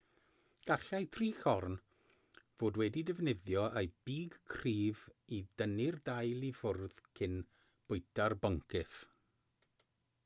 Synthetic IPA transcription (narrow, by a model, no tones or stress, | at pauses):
ɡ̥aɬajtʰriːxɔrn | v̥oːdwɛdidɪvnɪðjɔʔejb̥iːɡkʰriːvidənɪrdajlˠifʊrð̥kʰɪn | b̥ʊɨtʰarbɔŋkʰɪθ